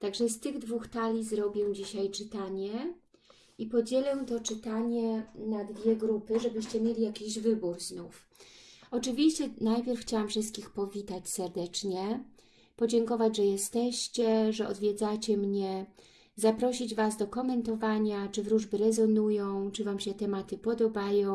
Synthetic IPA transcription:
t̪aɡʐɛst̪ɘɣd̪vuxt̪alʲizɾɔbʲjɛd͡ʑiɕajt͡ʂɘt̪aɲɛ | ipɔd͡ʑɛlɛt̪ɔt͡ʂɘt̪aɲɛnad̪vʲjɛɡɾupɘʐɛbɘɕt͡ɕɛmʲjelʲijakʲiʑvɘbuɾznuf | ɔt͡ʂɘvʲiɕt͡ɕɛnajpʲjɛɾfxt͡ɕawamfʂɘst̪̚kʲixpɔvʲit̪at͡ɕsɛɾd̪ɛt͡ʂɲɛ | pɔd͡ʑɛŋkɔvad͡ʑʐɛjɛst̪ɛɕt͡ɕɛʐɛʔɔ̰d̪vʲjɛd̪zat͡ɕɛmɲɛ | zapɾɔɕid͡ʑvasd̪ɔkɔmɛnt̪ɔvaɲat͡ʂɘvɾuʐbɘɾɛzɔnujɔ̃w̃t͡ʂɘvamɕɛt̪ɛmat̪ɘpɔd̪ɔbajɔ̃w̃

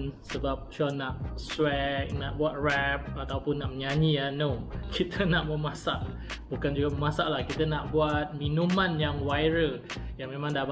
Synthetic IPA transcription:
nsəbap̚t͡ʃɔnaʔswɛk̚naʔbuat̪̚rɛp̚at̪awpʊnːaʔməɲãɲianokʰit̪ʰənaʔməmãsaʔ | bukand͡ʒuɡaməmãsaʔlahkit̪ənaʔbuat̪̚minũmãnjaŋwajɾəjaŋmẽmãŋdab

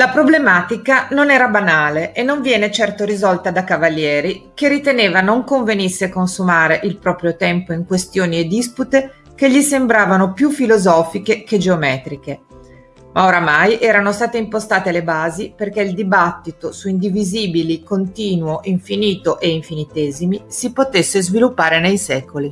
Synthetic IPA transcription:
lapɾoblemaːt̪ikanonɛːɾabanaːleʔenːoɱvjɛːnet͡ʃɛrt̪oɾizɔlt̪ad̪akavalːjɛːɾikerːit̪eneːvanoŋkoɱvenisːekonsumaːɾeʔilpɾɔːpɾjot̪ɛmpoiŋkwest̪joːnied̪ːisput̪e | keʎːisembɾaːvanopjufːilozɔːfikeked͡ʒeomɛːt̪ɾik̟e | mʔaoɾamajʔɛːɾanost̪aːt̪eimpost̪aːt̪elebaːziperk̟eild̪ibat̪ːit̪osuind̪iviziːbilikont̪iːnwoʔiɱfiniːt̪oʔeiɱfinit̪eːzimisipot̪esːezvilupːaːɾenejsɛːkoli

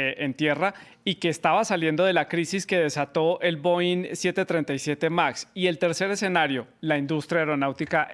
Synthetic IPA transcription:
ent̪je̞ra | ike̞ːst̪aβasalje̞nd̪o̞ð̞e̞lakɾisiske̞ðe̞sat̪o̞ʔe̞lbo̞insje̞t̪e̞t̪ɾe̞nt̪ajsje̞t̪e̞maksie̞lt̪eɾse̞ɾe̞se̞naɾjo̞laind̪ust̪ɾjaeɾo̞nawt̪ika

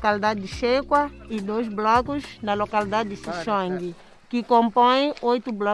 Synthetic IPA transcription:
kalid̪ad̪ɪd̪ɪʃekwɐid̪ojzblɔkuznɐlokalid̪ad̪d̪ɪsiʃõŋɡi | kɪkõmpõj̃ojt̪ublɔ

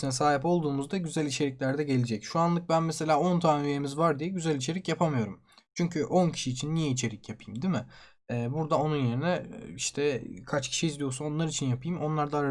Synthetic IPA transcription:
sinɛsaːɦipo̞lˠd̪uːmuzd̪aɟyzælʲit͡ʃʰe̞ɾʲicʲlʲæɾd̪ɛɟe̞lʲid͡ʒɛcʃuanlˠɯk̚bænmese̞lʲaːo̞nt̪ʰaːnyjemizvaɾd̪ijɛɟyzælʲit͡ʃʰe̞ɾicjapʰamɯjo̞ɾum | t͡ʃʰyɲcʰyʔo̞ncʰi̥ʃiːt͡ʃʰinːijɛit͡ʃʰe̞ɾicjapʰɯjɯmd̪imɪ | ɛːbuɾd̪ao̞nunje̞ɾinɛiʃt̪ʰɛkʰat͡ʃcʰi̥ʃijizd̪ijo̞suno̞nlˠaɾit͡ʃʰinjapʰɯjɯmo̞nlˠaɾd̪aɾ

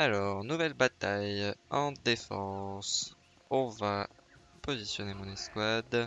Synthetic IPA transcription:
alɔʁnuvɛlbat̪ajɑ̃d̪efɑ̃s | ɔ̃va | pɔzisjɔnemɔ̃nɛskwad̪

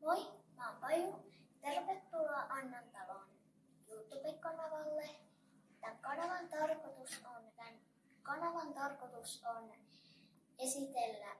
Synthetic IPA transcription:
moimɑmpɑjut̪erʋet̪ːuɑʔɑnːɑnt̪ːɑʋɑn | jut̪ːˑubiŋkɑnɑʋɑlːe | t̪ːæŋkɑnɑʋɑnt̪ɑrkot̪usont̪æn | kɑnɑʋɑnt̪ɑrkot̪uson | esit̪elːæ

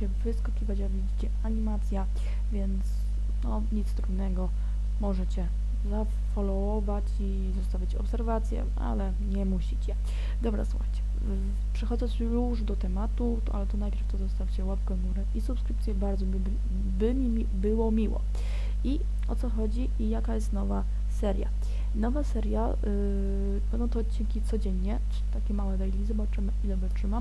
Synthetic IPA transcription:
ɛvɘskɔkʲivat͡ɕavʲid͡ʑit͡ɕɛaɲimat̪sʲja | vʲjɛnt̪s | nɔ | ɲit̪st̪ɾud̪nɛɡɔ | mɔʐɛt͡ɕɛ | za | fɔlɔɔvat͡ɕi | zɔst̪avʲit͡ɕɔ̰psɛɾvat̪sʲjɛ̰ | a̰lɛ | ɲɛmuɕit͡ɕɛ | d̪ɔbɾa̰swuxajt͡ɕɛ̥ | pʂɛxɔd̪ɛsjuʐd̪ɔt̪ɛmat̪u | a̰lɛt̪ɔnajpʲjɛɾft̪ɔzɔst̪aft͡ɕɛwapkɛmuɾɛʔisupskɾɘp̚t̪sʲjɛbaɾd̪zɔb | bɘmʲiibɘwɔmʲiwɔ̰ | i | ɔt̪sɔxɔd͡ʑi | ijakajɛst̪nɔva | sɛɾʲja̰ | nɔvasɛɾja | bɛnd̪ɔ̃w̃t̪ɔːt̪t͡ɕːinkʲit̪sɔd͡ʑeɲːɛʈ͡ʂɘit̪akʲɛmawɛvɛjlʲizɔbat͡ʂmizɔbat͡ʂɘma

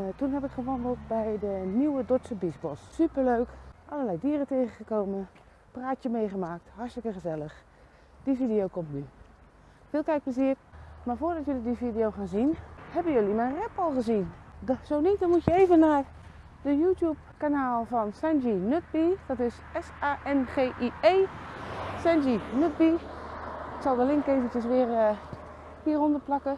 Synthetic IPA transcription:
tunɦɛpɪkχəʋɔndlˠt̚bɛjdəniwədotsəbisbɔssypərløɥkʔaləlɛjdiːrəteːχəχəkoːmən | praːtjəmejχəmaːk̚tharstɪkəχəzɛləχ | d̥ifidijowkɔmtny | fɪːlˠkɛjk̚pləziərmaːfoːrdɔtjølidifidijowχaːnzinhɛbənjølimɛnrɛpɔlˠχəzinsoːnitdɔnmutjəeːvənːar | dəjuːtjup̚ | kanaːlˠfɔnsɛnd͡ʒinøt̚biːd̥ɔtɪs | ɛsaʔɛnχeːʔieː | sɛnsinøt̚bi | tsɔlˠdəlɪŋkeːvətəs̬ʋɪər | hiərondərplakə

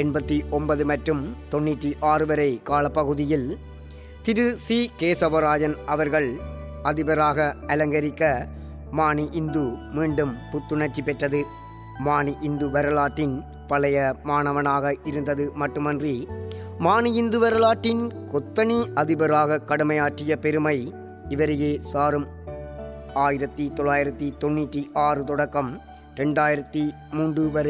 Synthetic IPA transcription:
ɛɳbɐt̪ːiʔɔmbɐðɯmɐʈrɯmt̪ɔɳːɪʈːiʔaːrɯʋɐɾɐɪkaːlɐpːɐɣɯðɪjɪl | t̪ɪɾɯsiːkeːsɐbɐɾaːd͡ʒɐnɐʋɐɾɣɐɭ | ɐðɪbɐɾaːɣɐɐlɐŋɡɐɾɪkːɐ | maːniʔɪnd̪umiːɳɖɯmpʊt̪ːɯɳɐt͡ʃːipːɛʈrɐðɯ | maːniʔɪnd̪ɯʋɐɾɐlaːʈːɪn | pɐlɐjɐmaːnɐʋɐnaːɣɐʔɪɾɯnd̪ɐðɯmɐʈːɯmɐndrimaːniɪnd̪ɯʋɐɾɐlaːʈːɪnkɔt̪ːɐniɐðɪbɐɾaːɣɐkːɐɽɯmɐjaːʈrɪjɐpɛɾɯmɐɪ | ɪʋɐɾɯjeːsaːɾɯm | aːjɪɾɐt̪ːit̪ɔɭːaːjɪɾɐt̪ːit̪ɔnːɪʈːiʔaːrɯt̪ɔɽɐkːɐm | ɾɛɳɖaːjɪɾɐt̪ːi | muːɳɖɯʋɐɾ

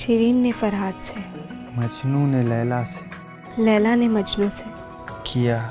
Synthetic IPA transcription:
ʃɪɾiːnːefɐɾɦaːd̪se | mɐd͡ʒnũnelɛːlase̥ | lɛːlanemɐt͡ʃnõse | kʰijaː

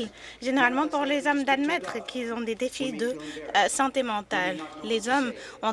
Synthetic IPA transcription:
l | ʒeneʁalmɑ̃puʁlezɔmd̪ad̪mɛt̪χkʰilzɔ̃d̪ed̪efid̪əsɑ̃t̪emɑ̃t̪alːezɔm | ɔ̃

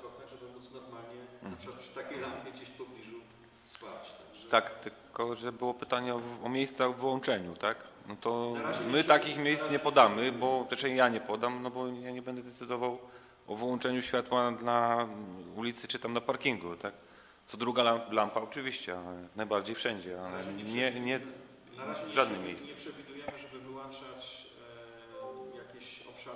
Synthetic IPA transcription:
ɔt̪nɛɛbɨmut̪snɔɾmalɲɛʂkat̪pʂɨ̥t̪akʲelampʲjed͡ʑeɕpɔblʲiʐu | spat͡ɕt̪a | t̪akt̪ɘlkɔʐɛbɘwɔpɘt̪aɲɛɔɔmʲejst̪saɔvɘwɔnt͡ʂɛɲut̪ak | nɔt̪ɔɾamɘt̪akʲixmʲjejsɲɛpɔd̪amɘbɔɛʂɛjaɲɛpɔd̪amnɔbɔjaɲɛbɛnd̪ɛzd̪ɛt̪sɘd̪ɔvaw | ʔɔvwɔnt͡ʂɛɲuɕfʲjat̪wad̪la | ulʲit̪sɘt͡ʂɨt̪amnapaɾkʲiŋɡut̪ak | t̪sɔd̪ɾuɡalalampaɔt͡ʂɨvʲiɕt͡ɕɛanajbaɾd͡ʑejfʂɛɲd͡ʑɛalɛɲɛɲɛ | ʐad̪nɪxmʲejssʂɛvʲid̪ujɛmʐɛbɘvwɔnt͡ʂat͡ɕ | jakʲiɔpʂa

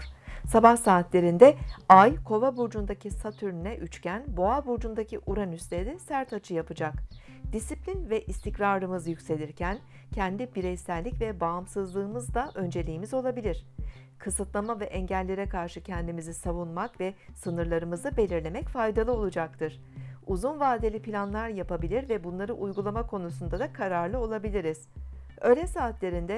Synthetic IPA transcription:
sabahsaːt̪lʲe̞ɾind̪ɛajkʰo̞vabuɾd͡ʒund̪acʰisat̪ʰyɾnɛʔyt͡ʃcʰænbo̞abuɾd͡ʒund̪acʰiʔuɾanyslʲed̪ɛsæɾt̪ʰat͡ʃʰɯjapɯd͡ʒak | d̪̥isiplʲinvɛʔist̪ʰicɾaɾlɯmɯzjycʲse̞lʲiɾcʰæn | cʰɛnd̪ibiɾɛjsæɾlʲicvɛbaːmsɯzlˠɯːmɯzd̪aʔø̞nd͡ʒe̞lʲijːmizo̞lˠabilʲiɾ̥ | kʰɯsɯt̪lˠamavɛʔɛɲɟælʲːe̞ɾɛkʰaɾʃɯcʰɛnd̪imizisavunmakvɛsɯnɯɾlˠaɾɯmɯzɯbe̞lʲiɾlʲe̞mɛcfajd̪alˠɯo̞lˠud͡ʒak̚t̪ʰɯɾ̥ | uzunvaːd̪elʲipʰilʲanlˠaɾjapabilʲiɾvɛbunlˠaɾɯʔujɡulˠamakʰo̞nusund̪ad̪akʰaɾaɾlˠɯo̞lˠabilʲiɾiz̥ | ø̞lʲɛsaːt̪lʲe̞ɾind̪ɛ

